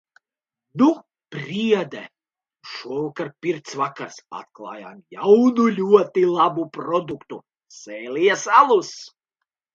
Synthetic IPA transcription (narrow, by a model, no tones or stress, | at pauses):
nu | pɾʲiɛd̪ɛ | ʃuɔvakaɾpʲiɾt̪svakaɾsa̰t̪̚klˠa̰ːja̰mjawnulʲuɔt̪ilˠabupɾɔd̪ukt̪u | sɛːlʲiɛsalˠus